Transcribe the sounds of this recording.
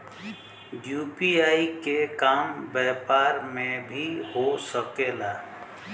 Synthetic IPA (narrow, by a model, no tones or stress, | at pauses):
ɖjuːpiaːikekaːmbɛːpaːɾmẽbʱiɦosəkeːlaː